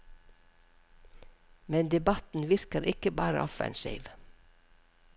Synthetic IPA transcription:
mɛnd̪ɛbɑt̪n̩ʋɪɾkəɾʔɪkəbɑːɾə̰ʔɔfæ̰nʃḛɪʋ

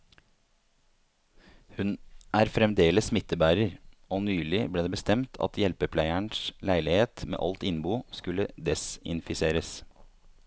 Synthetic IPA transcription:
hʉnʔæːɾfɾɛmd̪eːləsmɪt̪ːəbæːɾəɾoːnyːlɪbleːd̪eːbəst̪ɛmt̪ʰɑ̰t̪jɛlpəpʰlæɪæɳslæɪlɪheːt̪mḛːʔɑ̰lt̪ɪnbuːskʉləd̪ɛsɪ̰nfɪseːɾəs

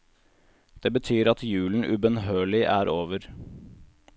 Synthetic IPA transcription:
d̪̥eːbət̪ʰyːɾɑt̪jʉːln̩ʔʉbənɦøːɭɪʔæːɾoːʋəɾ

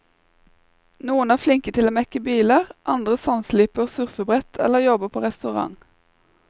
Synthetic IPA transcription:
nuːənæːʁflɪŋkət̪ʰɪloːmɛkəbiːləʁʔɑnd̪ʁəsɑnsliːpəʁsʉʁfəbʁɛt̪ʰɛ̰ləʁjɔbəpʰoːʁɛst̪ʉʁɑ̰ŋ

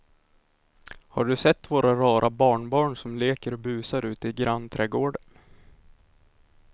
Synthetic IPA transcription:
haɖɵsɛt̪ːvoːɾʔaɾɑːɾʔabɑːɳbɑːɳsɔmleːkəɾɔbʉ̟ːsaɾʉ̟ːt̪ɪɡɾʔanːt̪ʰɾɛɡoːɖən

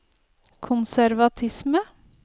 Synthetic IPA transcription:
kʰʊnsæɾʋɑt̪ʰɪsmə

